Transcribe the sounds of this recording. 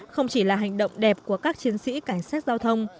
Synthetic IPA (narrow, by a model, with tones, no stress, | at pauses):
xə˧wŋ͡mt͡ɕi˧˩laː˨˩ɦa˨˩jŋ̟ɗə̰˧˨wŋ͡mɗɛ˨˩p̚ku˧˩əkaː˦˥k̚t͡ɕi˨˦ənsḭ˧˥ka˧˩jŋ̟saː˦˥k̚zaː˧wt̪ʰə˧wŋ͡m